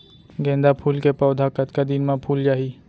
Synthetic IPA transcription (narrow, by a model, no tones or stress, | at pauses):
ɡɛ̃ːnd̪apʰuːlkepɔːʊd̪ʱakət̪kad̪ɪnmãpʰuːld͡ʒaːɦi